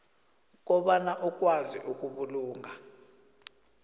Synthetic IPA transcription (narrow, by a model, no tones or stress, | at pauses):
k̬ɔɓanaʔuk̬ʼwaziʔuk̬ʼuɓuluːŋʱa